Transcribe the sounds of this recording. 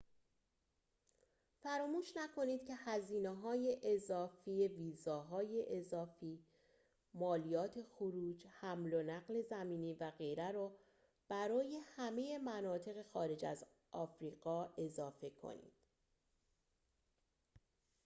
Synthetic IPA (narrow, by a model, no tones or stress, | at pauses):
fæɾɒːmuːʃnækʰo̞niːd̪̥cʰe̞hæziːneɦɒːjeʔezɒːfiːeviːzɒːɦɒːjeʔezɒːfiː | mɒːlijɒːt̪ʰe̞xoɾuːd͡ʒhæmlo̞næɣle̞zæmiːniːvæɣe̞jɾæɾɒː | b̥æɾɒːje̞hæme̞je̞mænɒːt̪ʰe̞ɣe̞xɒːɾe̞d͡ʒæ̰z | ʔɒːfɾiːɣɒːe̞zɒːfe̞kʰo̰nḭːd̪̥